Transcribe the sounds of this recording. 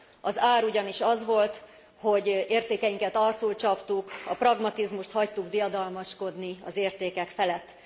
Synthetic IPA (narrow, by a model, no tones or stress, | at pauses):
ɒzaːɾuɟɒniʃɒzʋo̞lt̪ | ho̞ɟeːrt̪eːkɛjiŋkɛt̪ɒrt̪sult͡ʃɒpt̪ukɒprɒɡmɒt̪izmuʃt̪hɒct̪uɡd̪ijɒd̪ɒlmɒʃko̞d̪niɒ̰zeːrt̪eːkɛkfɛlɛt̪ː